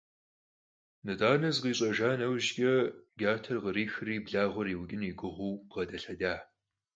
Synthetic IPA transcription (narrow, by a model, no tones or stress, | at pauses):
nɨdʼaːnɐzqiːɕʼɐʒaːnɐwʒɡʲʼɐɡʲaːtʰɐrʁəɾiːxɨriːbɮaːʁʷʊɾiːwɡʲɪniːɡʷʼʊʁʷʊwʁɐdɐɬɐdaː